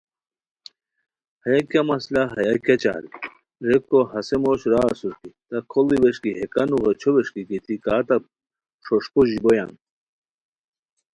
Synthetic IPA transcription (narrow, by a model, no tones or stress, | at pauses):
hɐjakamɐslaɦɐjakʲat͡ɕa̰ːl | ɾekːoɦɐsemoɕɾaːsuɾkit̪ɐkʰoliweʂkiɦekɐnuɣet͡ɕʰoweʂkikit̪ʰikaːt̪ɐ | ʂoʂkoʑiboja̰n